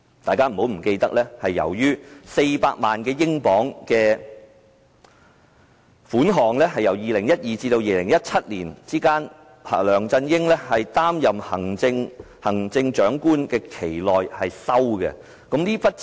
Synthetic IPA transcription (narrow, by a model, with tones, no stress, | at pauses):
t̪aː˨jkaː˥m̩˨˩ho˨˥wm̩˨˩ke˧jt̪ɐ˥k̚lɛː˥hɐ˨jːɐ̰˨˩wjyː˥se˧jpaː˧k̚maː˨nkɛː˧jɪ˥ŋpɔː˨˥ŋkɛː˧ | fuː˨˥nɦɔː˨ŋlɛː˥ɦɐ˨jɐ˨˩wjiː˨lɪ˨˩ŋjɐ˥t̚jiː˨˩t͡siː˧t̪o˧wjiː˨˩lɪ˨˩ŋjɐ˥t̚t͡sʰɐ˥t̚liː˨˩nt͡siː˥kaː˥n | hɐ̰˨lœː˨˩ŋt͡sɐ˧njɪ˥ŋlɛː˥hɐ˨jt̪aː˥mjɐ˨mhɐ˨˩ŋt͡sɪ˧ŋ | hɐ˨˩ŋt͡sɪ˧ŋt͡ʃœː˨˥ŋkuː˥nkɛː˧kʰe˨˩jlɔː˨jhɐ˨jsɐ˥wɡɛ̰˧ | kʊ˨˥mliː˥pɐ˥t̚